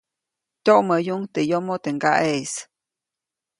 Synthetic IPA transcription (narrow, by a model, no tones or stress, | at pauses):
t̪ʲoʔməjuŋt̪ejomot̪eŋɡaʔes